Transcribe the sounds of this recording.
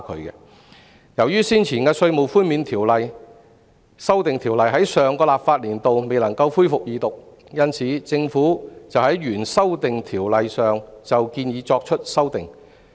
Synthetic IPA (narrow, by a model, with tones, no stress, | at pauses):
kʰɵ˨˧˥kɛ̰˧ | jɐ˨˩wjyː˥siː˥nt͡sʰiː˨˩nkɛː˧sɵ˧ɥmo˨˩wfuː˥nmiː˨˧nt̪ʰiː˨˩wlɐ˨j | sɐ˥wt̪ɪ˨ŋt̪ʰi˨˩wlɐ˨jɦɐ˨˥jsœː˨˧ŋkɔː˧laː˨p̚faː˧t̚liː˨˩nt̪o˨wme˨jlɐ˨˩ŋkɐ˧wfuː˥jfʊ˨k̚jiː˨˧t̪ʊ˨k̚ | jɐ˥nt͡sʰiː˨˥t͡sɪ˧ŋfuː˨˥t͡sɐ˨whɐ˨˥jɥyː˨˩nsɐ˥wt̪ɪ˨ŋt̪ʰiː˨˩wlɐ˨jsœː˨ŋt͡sɐ˨wkiː˧njiː˨˧˥t͡sɔː˧k̚t͡ʃʰɵ˥t̚sɐ˥wt̪ɪ˨˩ŋ